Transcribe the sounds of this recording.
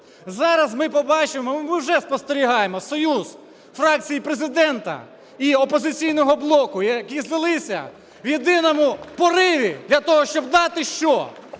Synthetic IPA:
zɑɾɐzmɪpɔbɑt͡ʃɪmɔmɪwʒɛspɔst̪eɾʲiɦɑjemɔsɔjuz | fɾɑk̚t͡sʲijipɾezɪd̪ɛnt̪ɐ̰ | iɔpɔzɪt͡sʲijnɔɦɔblˠɔkʊjɐkʲizlɪlˠɪsʲɐ̰ | wjed̪ɪnɔmʊpɔɾɪʋʲid̪lʲɐt̪ɔɦɔʃt͡ʃɔb̚d̪ɑt̪ɪʃt͡ʃɔ

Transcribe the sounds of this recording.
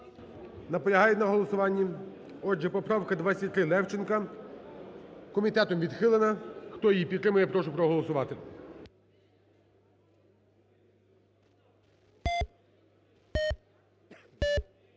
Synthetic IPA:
nɐpɔlʲɐɦɑjɛnɐɦɔlˠɔsʊʋɑnʲːi | ɔd͡ʒɛpɔpɾɑwkɐd̪ʋɑsʲɐtʲt̪ɾɪlˠɛwt͡ʃɪnkɐ | kɔmʲit̪ɛt̪ɔmʋʲid̪xɪlˠenɐxt̪ɔjjipʲit̪t̪ːɾɪmʊjɛpɾɔʃʊpɾɔɦɔlˠɔsʊʋɑt̪e

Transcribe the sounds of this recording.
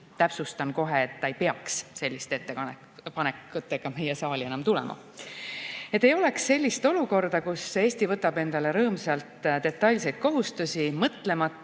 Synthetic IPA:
t̪æpsust̪ɑnko̞ɦeːt̪ːɑejpeɑksse̞lʲːist̪e̞t̪ːeɑn | pɑnekːut̪ːˑekːɑmejesɑːlʲie̞nɑmt̪ulɛ̰mʔɑ̰ | e̞t̪ːˑe̞jo̞le̞ksːe̞lʲːist̪o̞luko̞rd̪̥ɑkuse̞ːsʲt̪ivɤt̪ːˑɑbe̞nd̪̥ɑle̞ɾɤːmsɑlt̪d̪e̞t̪ːˑɑlʲs̬e̞jd̪̚ko̞ɦust̪usʲimɤt̪ːle̞mɑt̪ːˑ

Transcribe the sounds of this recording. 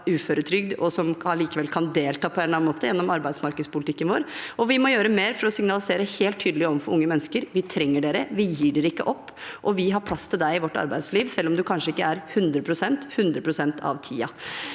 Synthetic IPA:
ʉːføːɾət̪ʰɾʏɡd̪ɔsɔmɑliːkəʋɛlkʰɑnd̪eːlt̪ʰɑːpʰɔɛnɑnːmoːt̪əjɛnːɔmɑɾbæɪd̪smɑɾkəd̪spʊlɪt̪ɪkːənʋoːɾɔʋɪmɔjøːɾəmeːɾfɔɾɔsɪŋnɑlɪseːɾəheːlt̪ʰːyːd̪əlɪɔʋfɔɾʊŋːəmɛnːəskəɾʋɪt̪ʰɾɛŋːəɖeːɾəʋɪjiːɖɛɾəɪkːəʔɔpːʔɔʋɪɦɑɾpʰlɑst̪ʰɪld̪æɪɪʋɔʈːɑ̰ɾbæɪd̪sliːʋsɛlːɔmd̪ʉkʰɑnʂəɪkːəæɾhʉnd̪ɾəpʰɾʊsɛnt̪hʉnd̪ɾəpʰɾʊsɛnt̪ʰɑ̰ʋt̪ʰiːɑ

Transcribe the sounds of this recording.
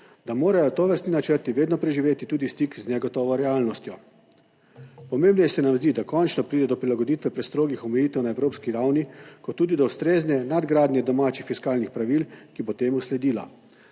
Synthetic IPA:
d̪̥amoːɾajɔt̪oʋəɾst̪ninat͡ʃəɾt̪iʋeːd̪nɔpɾɛʒiʋeːt̪it̪uːd̪ist̪ikznɛɡɔt̪ɔːʋɔɾɛaːlnɔst̪jɔ | pɔmeːmbnɔjɛsɛnamzd̪id̪akɔnt͡ʃnɔpɾiːd̪ɛd̪ɔpɾilaɡɔd̪iːt̪ʋɛpɾɛst̪ɾoːɡixɔmɛjiːt̪ɛwnaewɾoːpskiɾawnikɔt̪ːuːd̪id̪ɔust̪ɾeːznɛnad̪ɡɾaːd̪nʲjɛd̪ɔmaːt͡ʃixfiskaːlnixpɾaʋilkibot̪eːmuslɛd̪iːla̰

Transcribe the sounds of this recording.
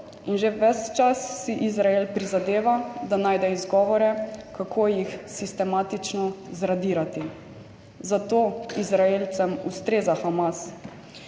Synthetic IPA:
inʒeʋɛst͡ʃasːiʔizɾaelpɾizad̪eːʋad̪anaːjd̪ɛizɡɔʋɔɾɛkakʰoːjixsist̪ɛmaːt̪it͡ʃnɔzɾad̪iːɾat̪i | zat̪oːizɾaeːlt̪sɛmust̪ɾeːzaxamas

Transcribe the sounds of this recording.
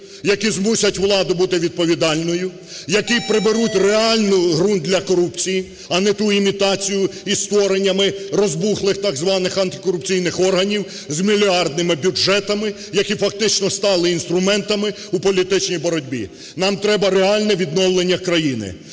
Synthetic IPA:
jɐkizmusʲɐtʲʋlˠɑd̪ʊbut̪ɪʋʲid̪̚pɔʋʲid̪ɑlʲnɔjʊ | jɐkipɾɪbeɾutʲreaɑlʲnʊɦɾund̪d̪lʲɐkɔɾupt͡sʲiji | ɐnɛt̪uimʲit̪ɑt͡sʲijʊist̪ʋɔɾenʲːɐmɪrɔzbuxlˠɪxt̪ɑɡzʋɑnɪxɐnt̪ɪ̥kɔɾʊpt͡sʲijnɪxɔrɦɐnʲiw | zmʲilʲiɑrd̪nɪmɪbʲuʒɛt̪ɐmɪ | jɐkʲifɐk̚t̪ɪt͡ʃnɔst̪ɑlˠɪinst̪ɾʊmɛnt̪ɐmɪ | upɔlʲit̪ɪt͡ʃnʲijbɔɾɔdʲbʲḭ | nɑmt̪ɾɛbɐɾeɑlʲnɛʋʲid̪nɔwlˠenʲːɐkɾɐjinɪ̰

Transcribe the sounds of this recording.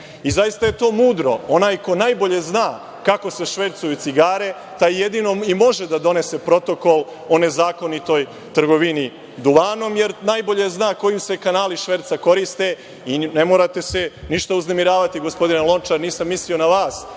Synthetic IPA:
izajist̪aje̞t̪o̞ːmuːd̪ɾo̞o̞naːjko̞najbo̞ʎe̞znaː | kako̞se̞ʃʋet̪sujut̪siɡaːɾe̞ | t̪aijed̪ino̞imo̞ʒed̪ad̪o̞ne̞se̞pɾo̞t̪o̞ko̞l | o̞nezaːko̞nit̪o̞j | t̪r̩ɡo̞ʋini | d̪uʋaːno̞mje̞ɾnajbo̞ʎe̞znaːko̞juse̞kanaːliʃʋeɾt̪sako̞ɾist̪e̞ | ine̞moːɾat̪e̞se̞niʃt̪auzne̞miɾaːʋat̪iɡo̞spo̞d̪inelo̞nt͡ʃaɾniːsamːislio̞naʋaːs

